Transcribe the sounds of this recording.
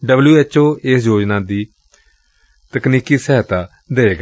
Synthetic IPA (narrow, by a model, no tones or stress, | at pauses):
ɖəbljuːɛːt͡ʃoːeːsjoːd͡ʒnaːd̪iː | t̪əkniːkiːsɛːɦt̪aː | d̪eːeːɡ